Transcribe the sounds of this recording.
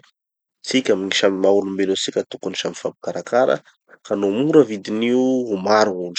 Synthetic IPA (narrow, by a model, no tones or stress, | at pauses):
t͡sikʲaminiʃamimaulumbenot͡sikʲat̪ukuniʃamifabikaɾakaɾə̰ | kanomuɾəvid̪iniuumaɾuŋuɳɖ͡ʐ